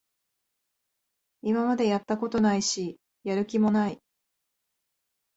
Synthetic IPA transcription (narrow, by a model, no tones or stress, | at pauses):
imamad̪e̞jat̪ːako̞t̪o̞naiɕi | jaɾɯ̟kʲimo̞nai